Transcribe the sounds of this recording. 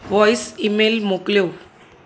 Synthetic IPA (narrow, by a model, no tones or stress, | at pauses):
ʋɔjsimelmokljo